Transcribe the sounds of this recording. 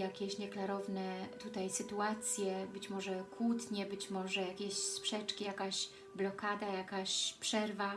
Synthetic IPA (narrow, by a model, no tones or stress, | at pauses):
jakʲɛɕɲɛklaɾɔvnɛt̪ut̪ajsɘt̪uat̪sʲjɛbɘt͡ɕmɔʐɛkwut̪ɲɛbɘt͡ɕmɔʐɛjakʲɛɕspʂɛt͡ʂkʲijakaɕ | blɔkad̪ajakaɕpʂɛɾva